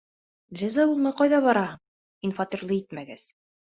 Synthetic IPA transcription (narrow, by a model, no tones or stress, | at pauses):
lʲizɑbulˠmɤqɒjðɑβɒɾɑ | infɑt̪iɾlˠɤit̪mæɡæz